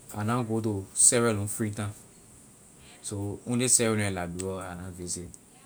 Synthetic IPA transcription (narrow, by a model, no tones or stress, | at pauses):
a̰nãɡot̬osɛɾɛlũfɾĩtã | soũdesɛɾɛl̃ɛ̃labiɔanãvese